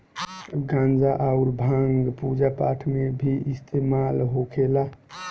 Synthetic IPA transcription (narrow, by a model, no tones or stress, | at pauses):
ɡãnd͡ʒaʔaʊɾbʱãŋɡpud͡ʒapaʈʰmebʱiist̪ʰemalɦokʰela